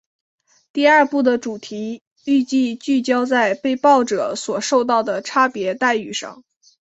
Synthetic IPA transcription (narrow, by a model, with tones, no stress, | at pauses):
t̪i˥˧ɐ˞˥˧pu˥˩d̪ə˩ʈ͡ʂu˨˩t̪ʰi˧˥ | y˥˧t͡ɕi˥˧t͡ɕy˥˩t͡ɕjɑ˥ʊt͡sa˥˧ɪpe˥˧ɪpɑ˥˩ʊʈ͡ʂɤ˨˩˦swɔ˨˩ʂo˥˧ʊt̪̬ɑ˥˩ʊd̪ə˩ʈ͡ʂʰa˥pjɛ˧˥t̪a˥˧ɪy˥˩ʂɑ̰˥˩ŋ